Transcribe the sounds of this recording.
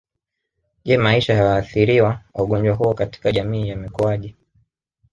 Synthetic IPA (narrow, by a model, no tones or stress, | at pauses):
ʄɛmaiʃahawaːθiɾiwaauɠɔɲd͡ʒwaɦuɔkati̥kaʄamiːjamikuaʄi